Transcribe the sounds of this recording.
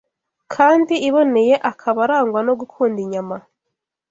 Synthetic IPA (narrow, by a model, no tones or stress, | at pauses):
kʰaːndiiβo̞ne̞je̞ʔakʰaβaɾaːŋɡwano̞ɡukʰuːndiɲama